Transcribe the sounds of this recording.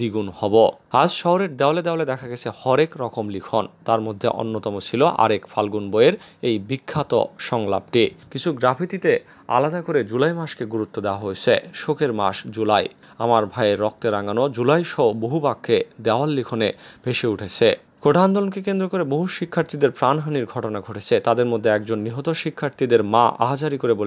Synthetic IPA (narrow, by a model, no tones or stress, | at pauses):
d̪iɡunhɔboad͡ʑʃɔɦoɾeɾd̪ɛoaled̪ɛwaled̪ɛkʰaɡet͡ɕʰehɔɾekɾɔkomlikʰont̪aɾmod̪ʱːḛʔo̰nːot̪ɔmot͡ɕʰiloʔa̰ɾekfʰalɡunboeɾejbikʰːat̪o̰ʃɔŋla̰b̚ʈikit͡ɕʰuɡɾapʰit̪it̪e | a̰lad̪akoɾed͡ʑulajmaʃkeɡuɾut̪ːod̪eoaɦoet͡ɕʰeʃokeɾma̰ʃd͡ʑulaj | amaɾbʱajeɾːɔk̚t̪eɾaŋɡanod͡ʑulajʃɔoboɦubakʰːed̪ɛoalːikʰoneb̥eʃeuʈʰet͡ɕʰe | koʈand̪ɔlonkekend̪ɾokoɾeboɦuʃikʰːaɾt̪id̪eɾpɾanɦaniɾɡʱɔʈonaɡʱoʈʰet͡ɕʰet̪ad̪eɾmod̪ʱːeɛk̚d͡ʑonːiɦot̪oʃikʰːaɾt̪id̪eɾmaʔa̰ɦad͡ʑaɾikoɾebol